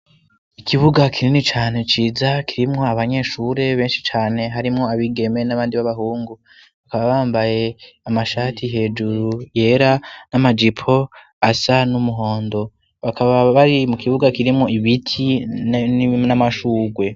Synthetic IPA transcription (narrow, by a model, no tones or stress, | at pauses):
ikʰiβuɡakʰiɾinit͡ʃaːne̞t͡ʃiːzakiɾimŋo̞aβaɲe̞ːʃuɾe̞βe̞ːnʃit͡ʃaːne̞ɦaɾimŋo̞aβiɡe̞me̞naβaːndiβaβaɦuːŋɡu | βakaβaβaːmbaje̞amaʃaːtʰiɦe̞ːd͡ʒuɾuje̞ɾanamad͡ʒipʰo̞ | asanumuɦo̞ːndo̞ | βakaβaβaɾimukʰiβuɡakiɾimŋo̞iβitʰinnamaʃuːɡwe̞